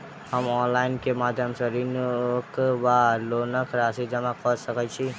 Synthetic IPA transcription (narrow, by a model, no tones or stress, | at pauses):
həmɔnlaɪnkemad̪ʱjəmsə̃ɾinkʋalonəkɾasid͡ʒəmakɔɾsəkət͡ʃʰi